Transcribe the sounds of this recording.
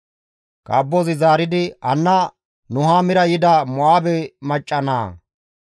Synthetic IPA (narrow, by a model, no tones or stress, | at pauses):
kʼɐ̰bːɔzɪzaːɾɪd̪ɪɐnːɐ | nʊɦamɪɾɐjɪd̪ɐmɔʔaːbɛmɐt͡ʃʼːɐna̰ː